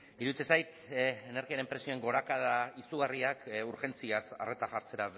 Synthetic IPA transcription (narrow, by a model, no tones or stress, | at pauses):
iɾuðit͡sesajt̪ene̞ɾɣiaɾe̞mpɾe̞sio̞eŋɡo̞ɾakaðaisuɣ̞ariakuɾxe̞nt͡siasa̰re̞t̪aʝaɾt͡se̞ɾa